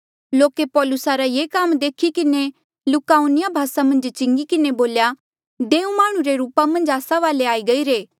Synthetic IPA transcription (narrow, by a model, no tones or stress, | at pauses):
loːkepɔːlʊsaɾajeːkamd̪eːkʰikɪne | lʊkaːunɪjabʱaːsamɐ̃nd͡ʒt͡ʃɪ̃ŋɡikɪneboːlja | d̪eːũmaːɽ̃ũɾeɾuːpamɐ̃nd͡ʒaːsaʋaːleaːiɡɐiɾeː